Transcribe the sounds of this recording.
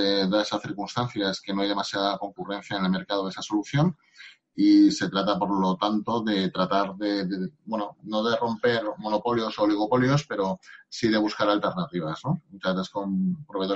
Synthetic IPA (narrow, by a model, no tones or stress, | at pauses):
eðaesaθiɾkunst̪an̟θjaeske̞no̞ajðe̞masjaðako̞ŋkurẽ̞n̟θjaenelme̞ɾkað̞o̞e̞saso̞luθjo̞n | ise̞t̪ɾat̪apo̞ɾlo̞t̪ant̪o̞ðe̞t̪ɾat̪aɾðe̞ðebwe̞nono̞ðe̞ro̞mpe̞ɾmo̞no̞po̞ljo̞soːliɣ̞opo̞ljo̞spe̞ɾo̞siðe̞β̞uskaɾalt̪e̞ɾnat̪iβ̞azno̞t̪ɾat̪asko̞mpɾo̞β̞e̞ðo